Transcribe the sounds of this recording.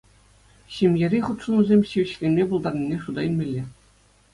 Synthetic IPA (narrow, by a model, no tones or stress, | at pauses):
ɕemʲjeɾʲiχut̪ʂunuzʲemʲɕiʋʲɘ̆ɕlʲenʲmʲebulˠd̪ɑrnʲinʲeʂud̪ɑilʲmʲelʲːe